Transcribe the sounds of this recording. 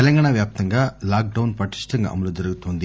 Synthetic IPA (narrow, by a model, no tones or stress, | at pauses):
ɛlɐŋɡaːɳɐʋjaːp̚t̪ɐŋɡaːlaːk̚ɖɐwnpɐʈi̥ʂʈɐŋɡɐ̰mɐlud͡ʒɐɾuɡut̪oːnd̪i